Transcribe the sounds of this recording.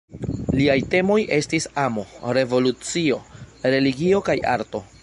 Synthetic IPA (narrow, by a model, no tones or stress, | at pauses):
liajte̞mo̞jʔe̞stisamo̞ɾe̞vo̞lut͡sio̞ɾe̞liɡio̞kajʔa̰ɾto̞